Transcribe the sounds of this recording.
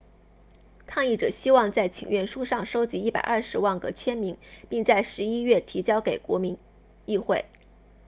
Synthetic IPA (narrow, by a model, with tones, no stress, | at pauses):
kʰɑ˥˧ŋi˥˩ʈ͡ʂɤ̰˨˩ɕi˥wɑ˥˧ŋt͡sa˥˩ɪt͡ɕʰi˨˩ŋɥɛ˥˩nʂu˥ʂɑ˥˧˩ŋʂo˥ʊt͡ɕi˧˥i˥˩pa̰˨˩ɪʔɐ˞˥˩ʂɻ̩˧˥wa˥˩nkɤ̰˧˩t͡ɕʰjɛ˥nmi˧˥ŋpi˥˧ŋt͡sa˥˩ɪʂɻ̩˧˥i˥ɥɛ˥˩t̪ʰi˧˥t͡ɕjɑ˥ʊke˨˩ɪkwɔ̰˧˥mi˧˥ŋ | i˥˧xwe˥˩ɪ